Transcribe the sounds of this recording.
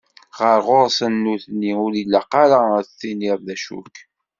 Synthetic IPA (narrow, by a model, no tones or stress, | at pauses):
ʁəɾʁoɾˤsənːuθnːiʊɾilːæqɑɾaθiniðˤðæʃṵk